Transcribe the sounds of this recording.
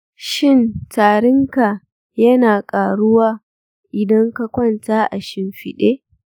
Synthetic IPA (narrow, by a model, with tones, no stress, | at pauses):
ʃɪ˦˨ntaː˨ɾɪ˦ŋka˨ | jɐ˦naː˨kʼaː˨ɽʊ˦waː˦ | ʔɪ˨dɐ˦ŋka˨kʷɐ˦˨ntaː˦ʔa̰˨ʃɪ˦mɸɪ̰˨ɗeː˦